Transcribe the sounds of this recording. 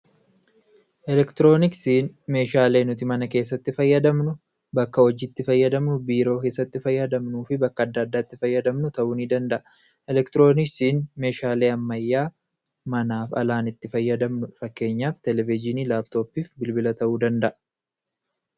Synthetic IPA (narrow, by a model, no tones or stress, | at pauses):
ʔɛlɛkt̪ɪɾo̞ːnɪksiːnme̞ːʃaːle̞ːnʊt̪̬ɪmɐnɐke̞ːsːɐt̪ːɪfɐjːɐd̪ɐmnʊ | bɐkːɐɔd͡ʒɪt̪ːɪfɐjːɐd̪ɐmnʊbiːɾo̞ːke̞ːsːɐt̪ːɪfɐjːɐd̪ɐmnuːfɪbɐkːɐd̪ːɐːd̪ːaːɪt̪ːɪfɐjːɐd̪ɐmnʊt̪ɐʔuːniːd̪ɐnd̪ɐʔɐ | ʔɛlɛkt̪ɪɾo̞ːnɪksiːnme̞ːʃaːle̞ːɐmːɐjːaː | mɐnaːfɐ̰laːnɪt̪ːɪfɐjːɐd̪ɐmnʊfɐkːe̞ːɲːaːft̪ɛlɛvɪd͡ʒɪniːlaːbt̪o̞ːpiːfbɪlbɪlɐt̪ɐʔuːd̪ɐnd̪ɐʔɐ̥